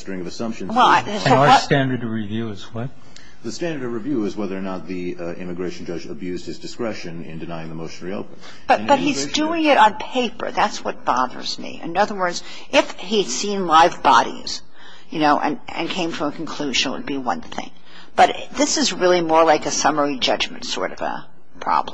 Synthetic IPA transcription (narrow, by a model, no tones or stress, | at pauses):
stɹɪ̃ŋʌvɨsʌ̃mpʃɨ̃nwɛlˠsostæ̃ndə˞dʌvɹivjʉɨzwʌt̚ | ðɨstæ̃ndə˞ɾʌvɹɨvjʉɨzwɛðə˞nət̪̚ði | ɪ̰̃mɨɡɹeɪʃn̩d͡ʒʌd͡ʒɨbjʉzd̥̚ɨzdɨskɹɛʃɨ̃nɪ̰̃ndɨnaɪɪ̃ŋðəmoʊʃnɛɹio̰ʊpən | b̥ʌb̥ʌt̚hizduɪ̃ŋɪɾn̩pʰeɪpə̰˞ðætswʌt̚b̥ɑðə̰˞z̥mḭɨ̰̃nnʌðə˞wɜ˞dz̥ | ʔɪf | hi̥sĩnlaɪvbɑɾḭz̥ | jɨnoʊʔɨ̰̃n | ɨ̰̃nkʰẽɪ̃ɱfɹʌ̃məkʰn̩kʰl̥ʉʒɨ̃nwə̰d̚biwʌ̰̃nθɪ̰̃ŋ | b̥ʌɾ | ðɪsɨzɹɪlˠimɔɹlaɪkɨsʌmə˞id͡ʒʌd͡ʒmɨ̰̃n̩tsɔ̰ɹɾʌvə̰ | pʰɹ̥ɑ̰b̥lm